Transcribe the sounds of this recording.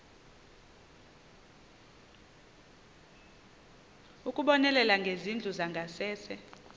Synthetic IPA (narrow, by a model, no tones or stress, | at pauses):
ukʼuɓɔnɛlɛlaŋɡʱezind͡ɮʱuzaŋɡʱasɛːsɛ